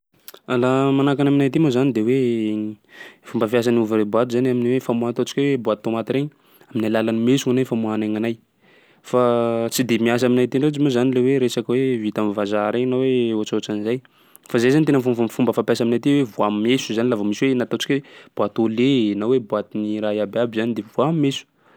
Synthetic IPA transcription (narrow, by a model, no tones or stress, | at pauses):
alamanakanaminajt̪imozanid̪ewe | fumbəfjas̬aniuvaɾebuat̪uzanaminiwefamuant̪ot͡ʃi̥kʲewebwat̪̚t̪ːomat̪iɾeɲ | aminalalanimesuŋanafamuanaŋanaj | fat͡sid̪emias̬aminajt̪inod͡ʒimozanileweɾesakawevit̪amivazaɾeɲnaweoat͡ʃoʈ͡ʂanizaj | fazajzanit̪enəfufumbəfapjasaminajt̪iwevuammesuzanilavəmiswenat̪ot͡ʃi̥kʲweb̥wat̪olenawebuat̪iniɾaiabeabizanid̪evuammesu̥